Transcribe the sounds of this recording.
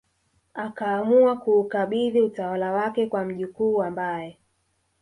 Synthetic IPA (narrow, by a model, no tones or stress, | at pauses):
akaːmuakuːkaɓiðiutawalawakɛkwam̩ʄikuːambajɛ